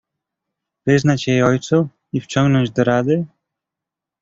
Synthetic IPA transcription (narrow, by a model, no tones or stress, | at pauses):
v̥ɘznat͡ɕjejɔjt̪su | ift͡ɕɔ̃ŋɡnɔɲd͡ʑd̪ɔɾad̪ɘ